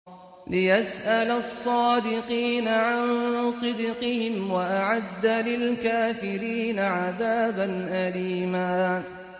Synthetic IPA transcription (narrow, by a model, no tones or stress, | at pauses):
lɪjasʔalasˤːɑːd̪ɪqiːnaʕansˤɨd̪qɨhɪmwaʔaʕad̪ːalɪlkaːfɪɾiːnaʕaðaːbanʔaliːmaː